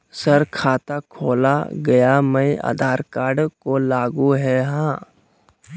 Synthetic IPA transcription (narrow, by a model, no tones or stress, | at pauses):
səɾkʰaːt̪akʰoːla̰ɡɐjaməja̰ːd̪ʱaːɾkaːɾɖkolaːɡuɦɛɦãː